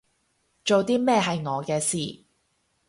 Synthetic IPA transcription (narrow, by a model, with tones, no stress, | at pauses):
t͡ʃo˨wt̪iː˥mɛː˥˧ɦɐ˨jŋɔː˨˧kɛː˧siː˨˩